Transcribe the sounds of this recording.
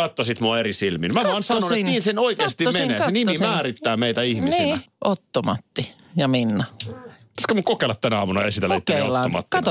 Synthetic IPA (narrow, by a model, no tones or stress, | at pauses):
ɑt̪ːɑsit̪muɑeɾisilminmæʋɑnsɑnonetniːnsenoikeɑst̪immeneːsenimimæːrit̪ːæːmeit̪æihmnisilæʔot̪ːomɑt̪ːi | jɑminːɑ | ɑskɑmukokˑeːlɑt̪t̪ænæɑːmunɑesit̪æleit̪ːolːɑːo̰mɑ̰t̪ːi